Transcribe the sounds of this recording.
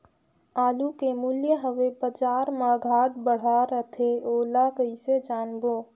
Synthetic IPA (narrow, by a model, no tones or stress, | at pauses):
aːlukemuljəɦəʋebəd͡ʒaːɾmaɡʱaːʈbəɽ̤aɾət̪ʰeoːlakəised͡ʒaːnboː